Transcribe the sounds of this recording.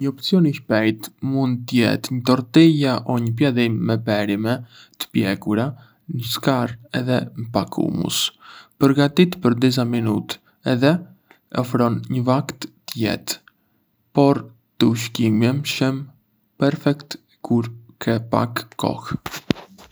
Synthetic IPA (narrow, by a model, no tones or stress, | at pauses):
ɲəɔpsiɔniçpɛjt̪mund̪̚t̪əjɛ̰t̪ɲət̪ɔɾt̪ɛjaʔɔɲəp̬jaðimːɛbɛɾimɛ | t̪ə̥pjɛkuɾa | nəskaɾɛðɛməpakʰṵmṵspəɾɡat̪it̪pəɾd̪iz̬aminut̪ | ɛðɛ | ɔfɾɔnɲəvakt̪ːəjɛ̰t̪ | pɔɾ | t̪əuʃ̬kimjɛmʃəm | pɛɾfɛkt̪ | kʰuɾkʰɛpa̰kʰːɔ̰x